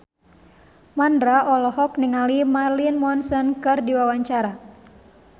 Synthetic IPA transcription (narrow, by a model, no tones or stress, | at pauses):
mandɾaʔɔlɔhɔkniŋalimarlinmɔnsɛnkɨrdiwawaɲt͡ʃaɾa